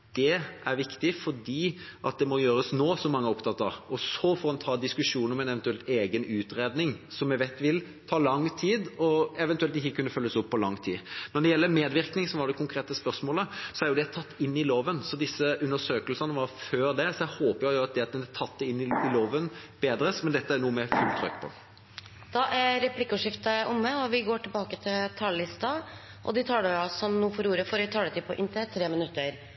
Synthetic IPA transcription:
d̪̥ɛʔæɾʋɪkt̪ɪfɔɖiːʔɑt̪̚d̪ɛmɔjøːɾəsnoːsɔmːɑŋːəɔpt̪ʰɑt̪ːəɾɔsɔfɔːɾɛnt̪ʰɑːd̪ɪskʉʂuːnəɾɔmɛnɛʋɛnt̪ʉɛlt̪eːɡənʉːt̪ɾeːd̪nɪŋsɔmjɛʋeɪt̪ːʋɪl | t̪ʰɑːlɑŋːt̪ʰiːd̪ɔɛʋɛnt̪ʉɛlt̪ɪçːəkʉnːəfœlːəsʊpːɔlɑŋːt̪ʰḭːnɔɾɖ̪ɛjɛlːəmeːd̪ʋɪɾknɪŋsɔmʋɑɾd̪ɛkʰʊŋkʰɾeːt̪əspœɾsmoːləsɔæɾjʊd̪ɛt̪ʰɑt̪ːɪnːɪloːʋənsɔd̪ɪsːəʔʉnd̪əʂøːkəlsənəʋɑɾføːɾd̪ɛsɔɛhoːpəɾjʊjʊɑt̪̚d̪ɛɑt̪̚d̪ɛnɛt̪ʰɑt̪̚ːd̪ɛɪnːɪɪloːʋənb̥eːd̪ɾəsmɛnd̪ɛt̪ːəæɾnuːəmɛfʉlt̪ʰːɾœ̰kːpʰɔ̰ | d̪̥ɑʔæɾɾɛpʰlɪkːʉʂɪft̪əʊmːəɔʋɪɡoːʈʰɪlbɑːkət̪ʰɪlt̪ʰɑlːɪst̪ɑ | ʔɔ̰d̪ɪt̪ʰɑːɖəɑsɔmnuːfɔɾuːɾəfɔɾɪt̪ʰɑːɖət̪ɪpʰɔʔɪnt̪ət̪ʰɾeːmɪnʉt̪ːəɾ

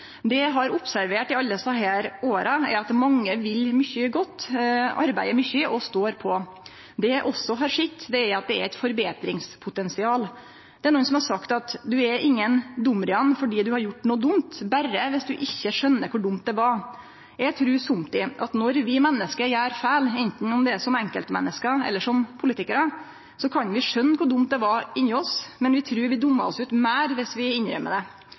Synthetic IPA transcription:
d̪ɛɦɑɾʊpsæɾʋeːʈɪɑlːəsɑɦæːɾoːɾəɛ̰ɾɑt̪mɑŋːəʋɪlːmʏçəɡɔt̪ːɑ̰ɾbæɪəmʏçəʔɔst̪oːɾpʰɔ | d̪ɛʔɔsːɔɦɑɾʂɪt̪ːd̪ɛæɾɑt̪̚d̪ɛæɾɛɪt̪fɔɾbeːt̪ɾɪŋspʰʊt̪ɛnsɪɑːl | d̪̥ɛæɾɳuːənsɔmhɑɾʂsɑkt̪ɑt̪d̪ʉɛɾʔɪŋːənd̪ʊmːɾɪɑnːfɔɖiːd̪ʉhɑɾjʊʈːnuːd̪ʊmt̪bæɾəʋɪsd̪ʉʔɪçːəʂœnːəkʰʊɖʊmt̪̚d̪ɛʋɑɾ | jæɡt̪ʰɾʉːsʊmt̪ɪʔɑ̰t̪nɔɾʋɪmɛnːəskəjæːɾfæːlɛnt̪n̩ɔmd̪ɛsɔmɛŋkəlt̪mɛ̰nːəskəɛ̰lːəʂɔmpʰʊlɪt̪ɪkəɾə | sɔkʰɑnʋɪʂœnːkʰʊɖʊmt̪̚d̪ɛʋɑɾɪnːəɔsmɛnʋɪt̪ʰɾʉːɾʋɪd̪ʊmːɑ̰ɾɔsʉːt̪mæːɾʋɪsʋɪɪnɾœ̰mə̰d̪ɛ

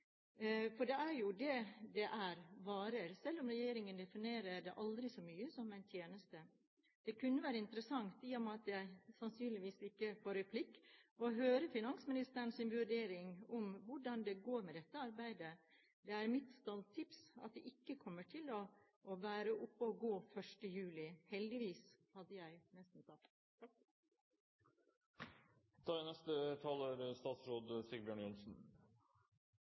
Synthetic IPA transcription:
fɔɖɛæɾjʊd̪ɛd̪ɛʔæɾʋɑːɾəɾsɛlːʊmɾɛjeːɾɪŋənd̪ɛfɪneːɾəɖɛʔɑld̪ɾɪsɔmyːəsɔmæɪnt̪ʰjeːnəst̪ə | d̪̥ɛkʉnːəʋæːɾəɪnt̪əɾəsɑŋt̪iːɔmɑt̪jæɪsɑnsyːnlɪʋiːsɪkːəfoːɾɛpʰlɪkːɔɦøːɾəfɪnɑnsmɪnɪst̪əɾɳsɪnʋʉɖeːɾɪŋʊmʋʊɖɑnd̪ɛɡoːɾmɛd̪ɛt̪ːəɑɾbæɪd̪ə | d̪ɛæɾmɪt̪st̪ɑlt̪ʰɪpsɑ̰t̪̚d̪ɛʔɪkːəkʰɔmːəʈʰɪlɔ | ʔːʋæːɾəʔʊpːəɔɡoːfœʂʈəjʉːlɪhɛld̪ɪʋiːshɑd̪ːəjæɪnɛst̪n̩sɑ | d̪̥ʰɑːɪnɛst̪ət̪ʰɑːləɾst̪ɑːt̪sɾoːd̪sɪɡbjøːɳjʊnsn̩

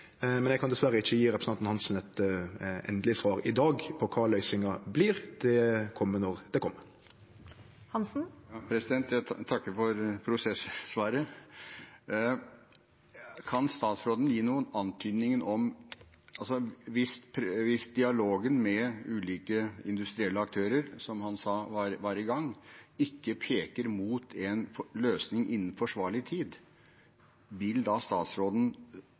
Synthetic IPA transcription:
mɛnjɛɡkɑnd̪ɛsʋæɾːəɪçːəjiːɾɛpɾsnɑnnhɑnsn̩ɛt̪ | ɛ̰nd̪əlɪsʋɑːʁɪd̪ɑːɡpʰɔkʰɑːlœʏsɪŋɑbliːʁd̪̥ɛkʰɔmːənɔʁd̪̥ɛkʰɔmːəɾ | hɑnsn̩pʰɾɛsɪd̪ɛnt̪jæt̪ʰɑkːəɾfɔɾpʰɾʊsɛsːʋɑːɾə | kʰɑnst̪ɑːt̪sɾoːd̪ən̩jiːnuːənɑnt̪ʰyːd̪nɪŋənɔm | ɑlsɔʋɪspʰʋɪsd̪ɪɑloːɡənmɛʉːliːkəɪnd̪ʉst̪ɾɪɛlːəɑk̚t̪ʰøːɾəɾsɔmhɑnsɑːʋɑɾʋæːɾəɡɑŋːɪkːəpʰeːkəɾmuːt̪ʰɛnfløːsnɪŋʔɪ̰nːn̩fɔʂʋɑːɭɪt̪ʰiːd̪ | ʋɪld̪ɑst̪ɑːt̪sɾoːd̪n̩

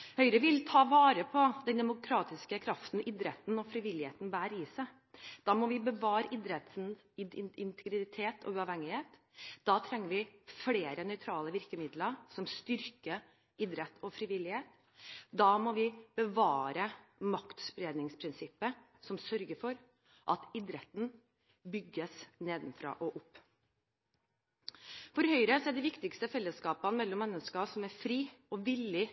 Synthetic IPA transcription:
hœʏɾəʋɪlt̪ʰɑːʋɑːɾəpʰɔd̪ɛnd̪ɛmʊkʰɾɑːt̪ɪskəkʰɾɑft̪n̩ɪd̪ɾɛt̪n̩ɔfɾiʋɪlɪheːt̪n̩bæːɾɪsæ | d̪̥ɑːmɔʋɪbəʋɑːɾəʔɪd̪ɾɛt̪n | ɪɪnɪnt̪ʰɛɡɾɪt̪ʰeːt̪ʰɔ̰ʉɑʋhɛŋːɪheːt̪ | d̪̥ɑːt̪ʰɾɛŋːəɾʋɪfleːɾənœʏt̪ʰɾɑːləʋɪɾkəmɪd̪ləɾsɔmst̪ʏɾkə | ɪd̪ɾɛt̪ʰɔfɾiːʋɪlːɪheːt̪ | d̪ɑːmɔʋɪb̥əʋɑːɾəmɑkt̪spɾeːd̪nɪŋspʰɾɪnsɪpːə | sɔmsœɾɡəfɔɾ | ʔɑt̪ɪd̪ɾɛt̪n̩ | bʏɡːəsneːd̪nfɾɑ̰ːʔɔʔʊpː | fɔɾhœʏɾəsɔæd̪ɪʋɪkt̪ɪkst̪əfɛlːəskɑːpənmɛlːɔmːɛnːəskɑsɔmæɾfɾiːɔʋɪlːɪ

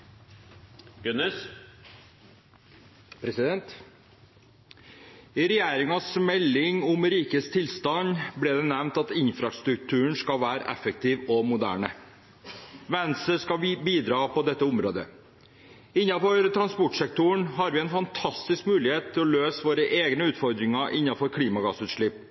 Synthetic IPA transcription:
ɡʉnəs | pʰɾɛsɪd̪ɛnt̪ | ɪɾɛjæːɾɪŋɑsmɛlːɪŋʊmɾiːkəst̪ʰɪlst̪ɑnblɛːd̪ɛnɛʋnt̪ɑt̪ɪnfɾɑst̪ɾʉk̚t̪ʰʉːəɳskɑlʋæːɾəʔɛ̰fək̚t̪ʰiːʋɔmʊd̪æ̰ːɳə | ʋɛnsəskɑbiːd̪ɾɑːpɔd̪ɛt̪ːəʊmɾo̰ːd̪ə̰ | ɪnːɑfɔɾt̪ʰɾɑnspɔʈʂɛk̚t̪ʊɳɦɑɾʋɪɛɪnfɑnt̪ʰɑst̪ɪskmʉːlɪheːt̪t̪ʰːɪlɔløːsʋoːɾəʔeːɡnəʉːt̪fɔɾd̪ɾɪŋɑʔɪnːɑfɔɾkʰliːmɑɡɑsʉːt̪ʂɭɪpː

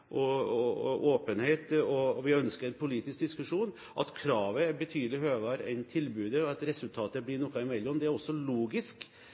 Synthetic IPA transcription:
ʔɔɔʔoːpənheɪt̪ɔʋɪœnskəɾɛnpʰʊliːt̪ɪsk̚d̪ɪskʉʂuːn | ʔɑ̰t̪kʰɾɑːʋəbɛt̪ʰyːd̪əlɪɦøːʋɑɾɛ̰ɪnt̪ʰɪlbʉːd̪əɔɑt̪ɾɛsʉlt̪ʰɑːt̪əblɪnɔkɑɪmɛlːɔmd̪ɛæɾɔsːɔluːɡɪsk

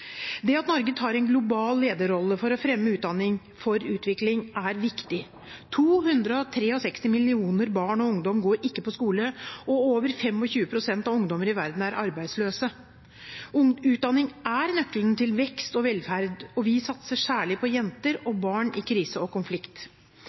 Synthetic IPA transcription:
d̪ɛɑt̪nɔɾɡət̪hɑːɾɛɪnɡlʊbɑːlːeːd̪əɾɔlːəfɔɾɔfɾɛmːəʉːt̪̚d̪ɑnːɪŋ | fɔɾʉːt̪ʋɪklɪŋæɾʋɪkt̪ɪ | t̪ʰuːhʉnd̪ɾəɔt̪ʰɾeːɔsɛkst̪ɪmɪlɪuːnəɾbɑːɳɔʊŋd̪ɔmɡoːɾɪkːəpɔskuːləɔoːʋəɾfɛmːɔçʉːəpʰɾʊsɛnt̪ɑʋʊŋd̪ɔməɾɪʋæɾd̪n̩æɾʔɑɾbæɪd̪sløːsə | ʉːt̪̚d̪ɑnːɪŋæɾnœkːlənt̪ʰɪlʋɛkst̪ɔʋɛlfæɾd̪ɔʋɪsɑt̪səʂæːɭɪpʰɔjɛnt̪əɾɔbɑːɳɪkʰɾiːsəɔkʊnflɪkt̪

